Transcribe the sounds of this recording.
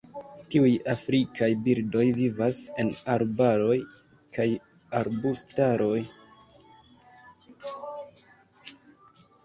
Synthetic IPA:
tiujafɾikʰajbiɾdo̞jvivase̞naɾbaɾo̞j | kaj | aɾbustaɾo̞j

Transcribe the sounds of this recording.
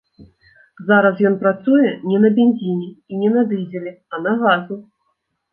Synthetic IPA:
zaɾɐs̬jɔnpɾat̪sujɛnʲɛnɐbʲanʲzʲinʲɛinʲɛnɐd̪ɨd͡zʲɛlʲɛ | ɐnɐɣazu

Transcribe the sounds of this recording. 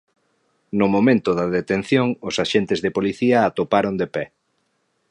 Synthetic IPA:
nʊmomẽnt̪ʊðɐðet̪en̟θjoŋʊsaʃent̪ɪzðepoliθiɐːt̪opaɾond̪epɛ

